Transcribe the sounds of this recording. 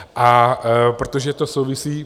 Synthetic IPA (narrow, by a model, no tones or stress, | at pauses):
ʔapɾot̪oʒɛt̪osowvɪsiː